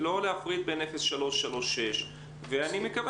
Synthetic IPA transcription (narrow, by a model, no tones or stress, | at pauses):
lo̞leafʁid̪̚be̞ne̞fesʃalo̞ʃːalo̞ʃːe̞ʃ | veanimekav